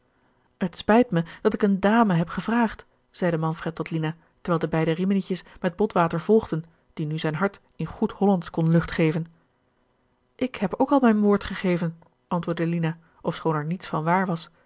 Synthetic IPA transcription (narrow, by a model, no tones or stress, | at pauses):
ɦətspɛjtməd̥ɑtɪkəndaːməɦɛpχəvraːχt | z̥ɛjdəmɑnfrɛtːɔtlina | təɹʋɛːlˠdəbɛjdərimənɪcəsmɛd̚bɔtʋaːtəɹv̥ɔlˠχdən | d̥inyzɛjnɦɑɹt | ɪnχuthɔlɑntkɔnlɵχtχejvən | ʔɪkhɛpowkɑlˠmɛjnʋʊːɹtχəχejvən | ʔɑntʋʊːɹdəlina | ʔɔfsχownɛɹnitsfɑnʋaːɹʋɑs